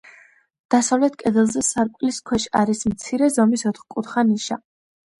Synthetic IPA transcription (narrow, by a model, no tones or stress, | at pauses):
d̪̥asavlɛt̪ʰkʼɛd̪ɛlˠzɛsaɾkʼliskʰwɛʃaɾismt̪sʰiɾɛzɔmisɔt̪χkʼut̪χaniʃa